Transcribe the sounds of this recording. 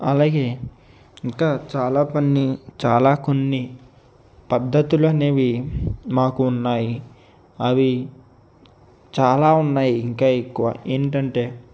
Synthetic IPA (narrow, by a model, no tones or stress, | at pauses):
ɐlaːɡe̞ː | iŋkaːt͡ʃaːlaːpɐnːit͡ʃaːlaːkonːi | pɐd̪ʱːɐt̪ulɐneːʋimaːkuːnːaːji | ɐʋi | t͡ʃaːlaːunːaːjiːŋkaːekːuʋa̰ːʔeːniʈɐɳʈe̞ː